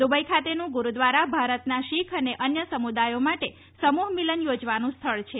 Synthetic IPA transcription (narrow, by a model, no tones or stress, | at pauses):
d̪ubəjkʰat̪enũɡuɾud̪ʋaɾabʱaɾət̪naʃikʰəneʔənjəsəmud̪ajomaʈe | səmuɦmilənjod͡ʒʋanũst̪ʰəɭt͡ʃʰe